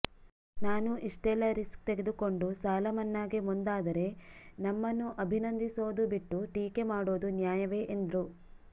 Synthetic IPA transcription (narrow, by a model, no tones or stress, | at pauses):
naːnuʔiʂʈɛlɐɾiskt̪eɡed̪uko̞ɳɖusaːlɐmɐnːaːɡemund̪aːd̪ɐɾe̞nɐmːɐnːuʔɐbʱinɐnd̪iso̞ːd̪ubiʈːuʈiːkemaːɽo̞ːd̪unjaːjɐʋe̞ːʔend̪ɾu